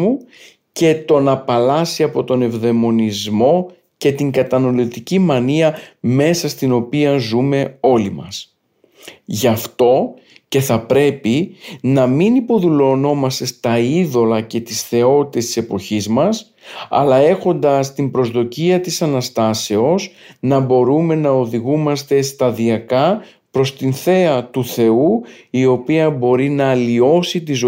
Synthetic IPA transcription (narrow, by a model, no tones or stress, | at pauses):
u | ce̞t̪o̞nɐpɐlɐsiɐpo̞t̪o̞ne̞vðe̞mo̞nizmo̞ | ce̞t̪iŋɡɐt̪ɐnolit̪icimɐniɐme̞sɐst̪ino̞piɐzume̞o̞limɐ̰s | ʝɐft̪o̞ | ce̞θɐpɾe̞pinɐminipo̞ðulo̞no̞mɐst̪e̞st̪ɐiðo̞lɐce̞t̪isθe̞o̞t̪it̪e̞st̪ise̞po̞çizmɐs | ɐ̰lɐe̞xo̞nd̪ɐst̪imbɾo̞zðo̞ciɐt̪isɐnɐst̪ɐse̞o̞snɐbo̞ɾume̞nɐo̞ðiɣumɐst̪e̞st̪ɐðiɐkɐ | pɾo̞st̪inθe̞ɐt̪uθe̞uio̞piɐbo̞ɾinɐːlio̞sit̪izo